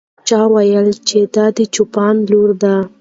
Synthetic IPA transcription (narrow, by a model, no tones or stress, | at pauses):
t͡ʃɑwajəlt͡ʃed̪ɑd̪ət͡ʃupɑnloɾd̪a